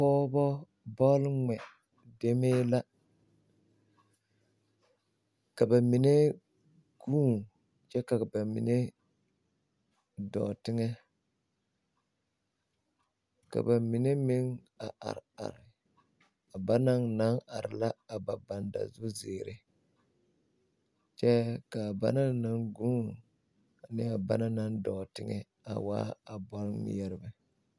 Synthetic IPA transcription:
pɔː˦bɔ˦ | bɔ˦lŋɛ˨ | de˦meː˦la˦ | ka˨ba˨mi˨ne˦ | ɡ̥uː˦˨ŋ | t͡ʃɛ˦ka˨ba˨mḭ˨ne˦ | dɔ̰ː˨tɪ˦ŋɛ˦ | ka̰˨ba˨mi˨ne˦mɪ˦ŋ | a˨ʔa̰˨ɾa̰˨ɾɪ˨ | a˨ba˦na˦ŋna˦ŋa˨ɾɪ˨la˦a˨ba˨ba˨nda̰˨zʊ˦zeː˨ɾɪ˦ | t͡ʃɛ˦ka˨ba̰˦na˦na˦ŋɡu˦˨ | nɪ˦a˨ba˦na˦na˦n˦dɔː˨tɪ˦ŋɛ̰˦ | a̰˨wa̰ː˦a˨bɔ˦l̰jɛ˦ɾɪ˦bɛ˦

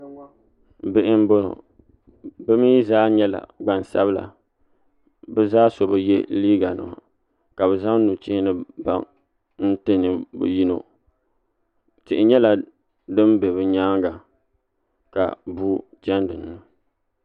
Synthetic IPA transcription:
bɪ˦ʔɪ˦m˦bo˦no̰˨ | bɨ˦mi˦zaː˦ɲɛ˦la̰˨ɡ͡ba˨n˨sa̰˦bɨ˦la̰˨ | bɛ˦zaː˦so˨bɨ˨jɛ˦liː˦ɡa˨nɨ̰˨a̰˨ | ka˨bɛ˨za˦ŋnu˨t͡ʃɪ˦hɪ˦nɨ˦ba̰˦ŋ | n̩˦tɨ˦nɨ˨bṵ˨ji˦no̰˨ | tɪ˨ʔɪ˨ɲɛ˦la˨ | dɨ˦mbe˨βɨ˨ɲaː˦ŋɡa˨ | ka̰˨bu˦ | t͡ʃa˦ndɨ˨n˨nɨ˨

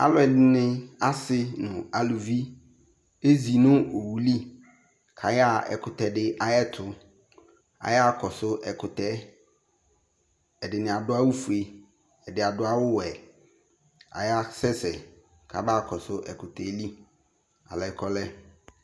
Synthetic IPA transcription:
a̰˨lʊ˨ɛ˨dɪ˨nɪ̃˦a˨sɪ˦nʊ̃˨a˨lu˨vi˦ | e˦zi˨nʊ̃˦o˨wu˨li˦ | kʰa˨ja˦˨ɛ̰˨kʰʊ˨tɛ˨dɪ˦ʔa˨jɛ˦tʰʊ˨ | a̰˨ja˦kʰɔ˨sʊ˦ʔɛ˨kʰʊ˨tɛ˦ | ɛ˨dɪ˨nɪ̃˨a˨dʊ˦a˦wʊ˦fu˨e˨ | ɛ˨dɪ˨a˨dʊ˦a˦wʊ˦wɛ˨ | a̰˨ja˦sɛ˦sɛ˨ | kʰa̰˨ba˦˨kʰɔ˨sʊ˦ʔɛ˨kʰʊ˨tʰɛ˨˦li˦ | a̰˨lɔ˨ɛ˨kʰɔ˦lɛ˦

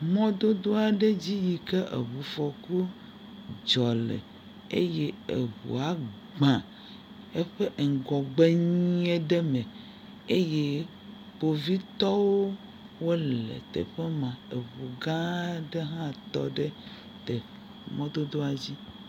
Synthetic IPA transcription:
mɔ̃˦d̪o˦d̪o˦a˨ɖe˦d͡ʑi˦ji˨ke˦ʔḛ˨βu˨fɔ˨ku˦ | d͡ʒɔ˨lḛ˨ | ḛ˦je˦e˨βṵ˨a˨ | ɡ͡bã˨ | e˦ɸe˦ʔe˨ŋ˨ɡɔ˨ɡ͡be˦ɲi˦ẽ˦ɖe˦me˨ | e˦je˦ | k͡po˨vi˦t̪ɔ˦wo˦ | wo˦lḛ˨t̪ḛ˨ɸe˦mã˨e˨βu˨ɡã˦ɖe˦ɦã˦t̪ɔ̰˦ɖe˦ | t̪e˨ | mɔ̃˦d̪o˦d̪o˦a˨d͡ʑi˦

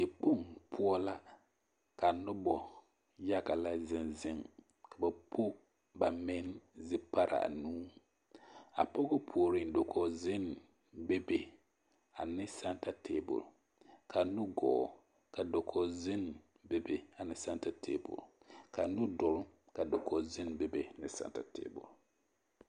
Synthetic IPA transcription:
e˨k͡po˦ŋpʰu˦ɔ˦la˦ | ka˨nʊ˦bɔ˨ | ja˦ɡa˨la˦zɪ˦nzɪ˦ŋ | ka˨ba˨po˦ | ba˨me˦nzɪ˦pa˦ɾa̰˨a̰˨nuː˦ | a̰˨pɔ˦ɡɔ˦pʰu˨o˨ɾi˦n˦do˨kʰɔ˨zɪ˦n˨ | be˦be˨ | a̰˨nɪ˦sa˦nta˨tʰeː˦bʊ̰˨ɾ | kʰa˨nu˦ɡɔ̰ː˨ | ka˨do˨kʰɔ˨zɪ˦n | be˦be˨a˨nɪ˦sa˦nta˨tʰḛː˦˨bʊ̰˨ɾ | ka˨nʊ˦dʊ˨ɾ | ka˨do˨kʰɔ˨zɪ˦nbe˦be˨nɪ˦sa̰˨nta̰˨tḛ˦˨bʊ̰˨ɾ

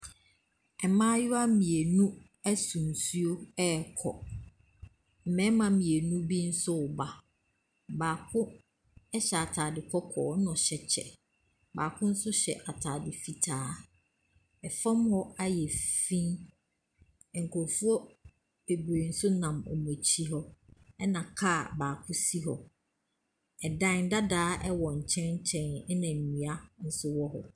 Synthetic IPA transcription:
ɛ˨mãː˦jʊ˦a˦mĩ˨e˨nũ˦ | æ˦sũ˨n˨su˦o˦ɛ˦˨kʰɔ̰˨ | m̩˨mɛ̃˨˦mã˨mĩ˨e˨nũ˦bi˦n̩˦sʊ˦ʊ˨ba˨ | baː˨kʰʊ̃˦ | ɛ˦ɕɛ˨a˨tʰaː˨dɪ˨kʰɔ˦kʰɔː˨˦nʊ̃˨ɕɛ˨t͡ɕʰɛ̰˨ | ba̰ː˨kʰʊ̃˦n̩˦sʊ˦ɕɛ̰˨ʔa˨tʰaː˨dɪ˨fi˦tʰaː˦ | ɛ˨fã˦mhɔ˦a˦jɛ˨fĩ˦n˨ | ŋ̩˨kʰo˨ɾfu˦ɔ˦ | e˨bɾi˨n̩˦sʊ˦nã˨mɔ̰˨m˨õ˨t͡ɕʰi˦ɦɔ˦ɛ˦nã˨kʰa˦˨baː˨kʰʊ˦si˦ɦɔ̰˨ | ɛ˨dã˦˨n˦da˦daː˦ʔɛ˦wɔ˨ɲ̩˨t͡ɕʰɛ̃˦t͡ɕʰɛ̃˦nɛ˦nã˨m̩˨mĩ˨a˦n̩˦sʊ˦wɔ˦ɦɔ̰˨

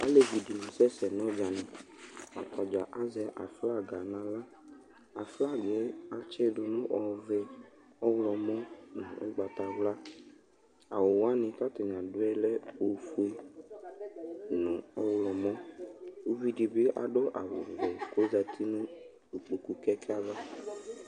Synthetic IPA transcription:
a̰˦le˦vi˨di˨nʊ̃˨sɛ˦sɛ˨nɔ̃˦d͡ʒa˨nɪ̃˨a̰˨t̪a˨d͡ʒa˨ʔa˦zɛ˨˦ʔa̰˨fla˦˨ɡa˨nã˨la˦ | a˨fla˦˨ɡe˨˦a˨t͡ʃɛ˦dʊ˨nʊ̃˦ʔɔ˨vɛ˨ | ɔ˦wlɔ˨mɔ̃˦nʊ̰̃˨ʔʊ̰˦ɡ͡ba˨t̪a˨vla˦ | a˨wʊ˨wa˦nɪ̃˨ta˦t̪ʊ˨ɲ˨ã˨dʊ˦ɛ˦lɛ˦o˨fu˦e˦ | nʊ̃˨ɔ˦wlɔ˨mɔ̃˦o˦vi˦di˨bɪ˦ʔa̰˨ɖo˦ʔa̰˨wʊ̰˨vɛ˨ko˦za˨t̪ʰi˦nũ˦ | du˨k͡pu˨ku˨kɛ˦kɛ˦a˦va˦

